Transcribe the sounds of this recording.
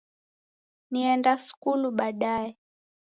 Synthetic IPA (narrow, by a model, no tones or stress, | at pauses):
niɛndasu̥kuluɓaɗaɛ